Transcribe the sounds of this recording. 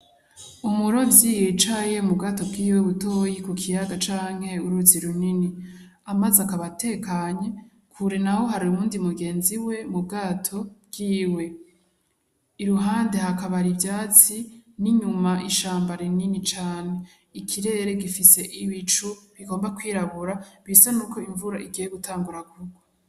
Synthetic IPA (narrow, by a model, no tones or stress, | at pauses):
umuɾo̞vjiːjet͡ʃaje̞mubɡato̞bɡiːweβuto̞jikukʰijaɡat͡ʃaːŋ̥he̞uɾuziɾunini | amazakaβate̞kaɲe̞ | kʰuɾe̞nawo̞ɦaɾiuuːndimuɡe̞ːnziwe̞mub̚ɡaːtʰo̞b̚ɡ̥iːwe̞ | iɾuɦaːnde̞hakaβaɾibjaːt͡siniɲumaʔiʃaːmbaɾininit͡ʃaːne̞ | ikʰiɾe̞ɾe̞ɡifise̞ʔiβit͡ʃuβiɡo̞ːmbakwiːɾaβuɾaβisanuːko̞iɱvuɾaʔiɡijeɡutʰaːŋɡuɾaɡuɡo